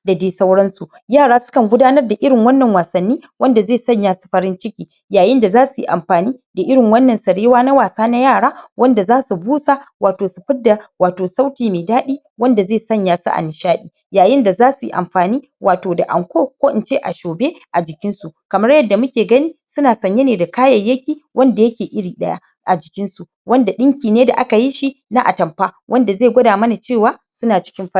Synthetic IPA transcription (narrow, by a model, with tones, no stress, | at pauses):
da˨deː˨sɐ˦wɽɐ˦nsu˨ | jaː˦˨ɽaː˦sʊ̥˦kɐ˨ŋɡʷʊ˦daː˦nɐ˦rda˨ʔɪ˦ɽɪ˨ŋwɐ˦nːɐ˨ŋwaː˨sɐ˨nːiː˦wɐ˦nda˨zeː˦˨sɐ˦ɲjaː˦su̥˨ɸɐ˦ɾɪ˦nt͡ʃɪ˦kʲiː˨ | jaː˨jɪ˦nda˨zaː˦su˨jḭ˨ʔa̰˨mɸaː˨niː˦da˨ʔɪ˦ɽɪ˨ŋwɐ˦nːɐ˨nsɐ˨ɽeː˦waː˦na˦waː˨saː˦na˦jaː˦˨ɽaː˦wɐ˦nda˨zaː˦su˨buː˦sa˦˨waː˨toː˨su˨ɸɪ˦da˨waː˨toː˨sa˦wtʲiː˨meː˨daː˦ɗiː˦ | wɐ˦nda˨zeː˦˨sɐ˦ɲjaː˦sa̰˦ʔa̰˨nɪ˨ʃaː˦ɗiː˨ | jaː˨jɪ˦nda˨zaː˦su˨jḭ˦ʔa̰˨mɸaː˨niː˦ | wʔaː˨toː˨da̰˨ʔa̰˨ŋkʷoː˦kʷoː˦ʔɪ˦˨nt͡ʃe˦ʔa̰˨ʃoː˨be˦ʔa˨d͡ʒɪ˨kʲɪ˦nsu˨kɐ˨mɐ˦ɽjɐ˦dːa˨mʊ˦kʲeː˨ɡɐ˦niː˦sʊ˦naː˨sɐ˨ɲje˦neː˨da˨kaː˦jɐ˨jɐ˦kʲiː˨wʔɐ˦nda˨jɐ˦kʲeː˨ʔɪ˦ɽiː˨ɗɐ˦ja̰˦ | ʔa˨d͡ʒɪ˨kʲɪ˦nsu˨ | wɐ˦nda˨ɗɪ˦ŋkʲiː˨neː˦da̰˨ʔa˦ka˨ji˦ʃi˦na˦ʔa̰˨tɐ˨mɸaː˦wʔɐ˦nda˨zeː˦˨ɡʷɐ˦daː˨mɐ˦na˨t͡ʃeː˦˨waː˦sʊ˦naː˨t͡ʃɪ̥˦kʲɪ˦mɸɐ˦˨